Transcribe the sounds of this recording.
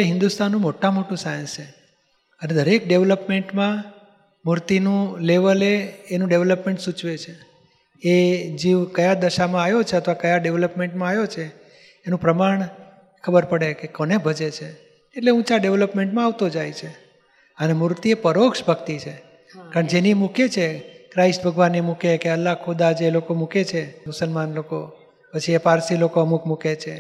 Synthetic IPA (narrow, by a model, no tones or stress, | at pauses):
eɦɪ̃nd̪ust̪anːũmoʈamoʈũsajə̃nst͡ʃʰe | əned̪ʱəɾekɖeʋləpmeɳʈmã | muɾt̪inũleʋəleːnũɖeʋləpmẽɳʈsut͡ʃʋet͡ʃʰe | ed͡ʒiʋkəjad̪əʃamãajot͡ʃʰeət̪ʰʋakəjaɖeʋləpmẽɳʈmãajot͡ʃʰeː | nũpɾəmaɳ̃ | kʰəbəɾpəɽekekənebʱəd͡ʒet͡ʃʰeː | ʈleũt͡ʃaɖeʋləpmeɳʈmãaʋt̪od͡ʒajt͡ʃʰe | ənemuɾt̪iepəɾokʃbʱəkt̪it͡ʃʰe | kaɳd͡ʒenimuket͡ʃʰekɾaisbʱəɡʋanːimukekeəlːakʰod̪aːd͡ʒeːlokomuket͡ʃʰeusəlmanloko | pət͡ʃʰiepaɾsilokoəmukmuket͡ʃʰe